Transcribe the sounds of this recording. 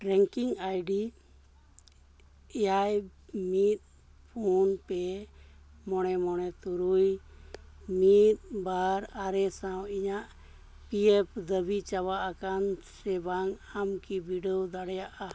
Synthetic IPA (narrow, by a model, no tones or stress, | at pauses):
ɾɛŋkiŋajɖi | ɛjajmit̪̚ | pʰunpɛ | mɔɽɛmɔɽ̃ɛt̪uɾuj | mit̪̚baɾaɾɛsawiɲaʔ | piepd̪əbit͡ʃawaʔakansɛbaŋamkibiɖɔd̪aɽɛjaʔa